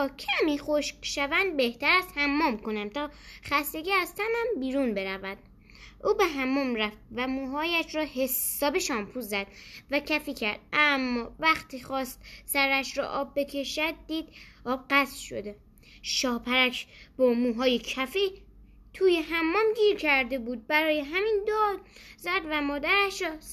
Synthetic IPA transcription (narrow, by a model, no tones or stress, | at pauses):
ɒːcʰæmiːχoʃkʃævænd̪̚be̞ht̪ʰæɾæzhæmːɒːmko̞næmt̪ʰɒːχæst̪e̞ɟiæzt̪ʰæmæmbiːɾunbe̞ɾævæd̪̥ | ʔuːbeɦæmːɒːmɾæft̪̚væmuːɦɒːjæʃɾɒːhe̞sɒːbeʃɒːmpʰuːzæd̪̥væcʰæfiːcʰæɾd̪̥ʔæmːɒːvæxt̪ʰiːxɒːst̪sæɾæʃɾɔ̰ʔɒːbːe̞cʰe̞ʃæd̪̚ːiːd̪̥ɒːb̚ɢæst̪ʃo̞̰d̪e̞ | ʃɒːhpʰæɾæʃʰb̥ɒːmuːɦɒːjecʰæfi | t̪ʰuːjeɦæmːɒːmɟiːɾcʰæɾd̪e̞buːd̪̚bæɾɒːjeɦæmiːnd̪ɒːd̪zæd̪væmɒːd̪æɾæʃɾɒ